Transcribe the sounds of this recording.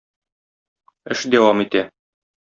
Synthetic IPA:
ɘʃd̪æwɑmit̪æ

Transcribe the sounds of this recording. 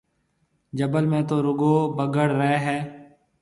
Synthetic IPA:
d͡ʒəbəlmẽːt̪oːɾʊɡoːbəɡəɽɾɛeːɦɛː

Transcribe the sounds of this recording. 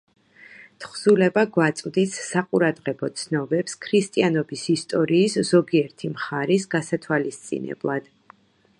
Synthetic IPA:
t̪ʰχzulɛbaɡwat̪sʼwd̪isːaqʼuɾad̪ʁɛbɔt̪sʰnɔbɛpskʰɾist̪ʼianɔbisist̪ʼɔɾiːsz̥ɔɡiɛɾt̪ʰimχaɾisɡasat̪ʰwalist̪sʼḭnɛ̰blˠad̪̥

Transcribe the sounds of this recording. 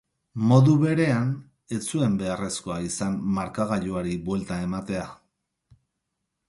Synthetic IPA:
mo̞ðuβe̞ɾe̞an | e̞t͡sue̞mbe̞are̞sko̞aisanːaɾkaɣaʎuaɾibwe̞lt̪ae̞mat̪e̞a

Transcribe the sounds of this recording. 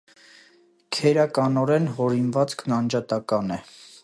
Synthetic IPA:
kʰɛɾɑkɑnɔɾɛnɦɔɾinvɑt͡sknɑnd͡ʒɑt̪ɑkɑnɛ

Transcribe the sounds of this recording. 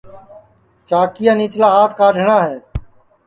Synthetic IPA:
t͡ʃaːkijãːniːt͡ʃlaːɦaːt̪̚ʰkaːɖʱɳaːɦeː

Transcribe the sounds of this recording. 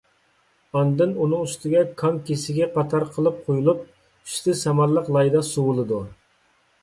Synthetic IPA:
ɑnd̪ɨnunɨŋyst̪ɪɡʲɛkʰɑŋkʲesɪɡʲɛqʰɑt̪ʰɑɾqʰəlˠɨp̚qʰojulˠup̚ | y̥st̪ɪsɑmɑɾlˠəqlˠɑjd̪ɑsuwʊlˠɨd̪u

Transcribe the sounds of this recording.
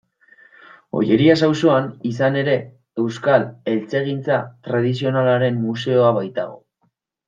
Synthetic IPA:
o̞̰je̞ɾias̬awso̞anisane̞ɾe̞ | e̞wskale̞lt͡se̞ɣ̞int͡sat̪ɾað̞is̬io̞nalaɾe̞mːuse̞o̞aβajt̪aɣ̞o̞̰

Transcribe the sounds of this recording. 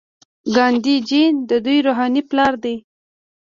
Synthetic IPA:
ɡɑnd̪id͡ʒind̪əd̪ujɾoɦɑniplɑɾd̪ej

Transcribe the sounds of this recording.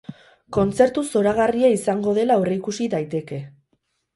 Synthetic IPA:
ko̞nt͡se̞ɾt̪uso̞ɾaɣariaisaŋɡo̞ð̞e̞laoreikusiðajt̪e̞ke̞

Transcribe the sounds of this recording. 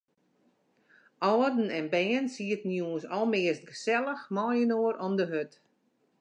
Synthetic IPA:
ʔɔːdn̩ɛnbɛːənsiətnjuə̃nsɔlˠmɪəst̚ɡəsɛlˠəxmɔjənoəɾʔɔmdəɦøt

